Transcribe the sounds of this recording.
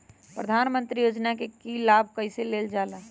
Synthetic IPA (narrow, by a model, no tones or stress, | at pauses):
pɾəd̪ʱaːnmə̃nt̪ɾijoːd͡ʒnakekilaːbʱkəɪiseleːld͡ʒaːla